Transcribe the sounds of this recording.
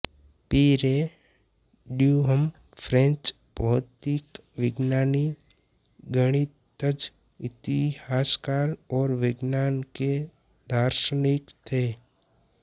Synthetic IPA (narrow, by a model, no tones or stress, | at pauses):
piːɾe | ɖjuɦəm | fʰɾẽnt͡ʃ | pɔɦt̪ik | ʋɪɡnaːni | ɡəɽ̃i | t̪əd͡ʒ | ɪt̪ihaːskaːɾɔːɾʋɪɡnaːnke | d̪ʱaːɾʃənɪkt̪ʰeː